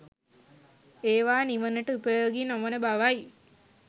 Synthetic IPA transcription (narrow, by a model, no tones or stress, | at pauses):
eːʋaːniʋənəʈəupəjoːɡinoʋənəbaʋaj